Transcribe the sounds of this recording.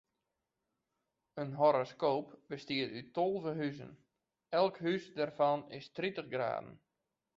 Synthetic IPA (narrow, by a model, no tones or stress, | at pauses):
ənɦoɾoskoːpbəstiətytolˠvəɦyzə̰n | ɛlˠkhysdɛrfɑnɪ̰stritəχɡra̰ːdən̩